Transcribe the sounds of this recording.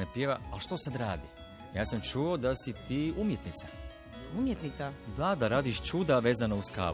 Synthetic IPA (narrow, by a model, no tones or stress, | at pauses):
napjeːʋaalʃt̪o̞sad̪ɾaːd̪i | jaːsamt͡ʃuod̪asit̪iːumjet̪nit̪sa | umjet̪nit̪sad̪ad̪aɾaːd̪iʃt͡ʃuːd̪aʋe̞ːzanauska̰ː